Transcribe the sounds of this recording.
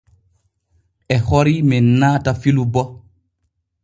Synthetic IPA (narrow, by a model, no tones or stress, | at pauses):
ʔɛhɔɾimɛnaːtafilubɔ